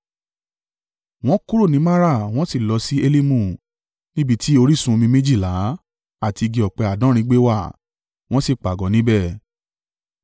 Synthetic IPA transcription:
w̃ɔ̃˦ku˦ɾo˦˨nĩ˨˦ma˦ɾa˦˨w̃ɔ̃˦si˦˨lɔ˧si˦e˦li˦mũ˦˨ | nĩ˦bi˦˨tʰi˦o˧ɾi˦˨sũ˧mĩ˧mĩ˦d͡ʒi˦˨la˨˦ | a˦˨ti˧ɡi˧ɔ˨k͡pɛ˧a˨dã˦ɾ̃ĩ˦ɡ͡be˦wa˦˨ | w̃ɔ̃˦si˦˨k͡pa˨ɡɔ̃˨˦nĩ˦bɛ˦˨

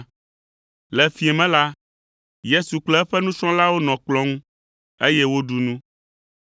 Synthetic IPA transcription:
lɛ˨fi˨ɛ˨mɛ̃˦la˦ | je˦su˨k͡plɔ˦ɛ˦ɸɛ˦nũ˦t͡ʃɔ̃˦la˦wo˦nɔ̃˨k͡plɔ̃˦ŋũ˦ | e˦jɛ˦wo˦ɖu˨nũ˦

